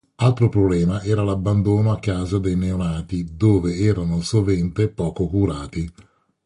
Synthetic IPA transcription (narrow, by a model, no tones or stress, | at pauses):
alt̪ɾopɾoblɛːmaɛːɾalabːand̪oːnoakːaːzad̪ejneonaːt̪id̪oːveɛːɾanosovɛnt̪epɔːkokuɾaːt̪i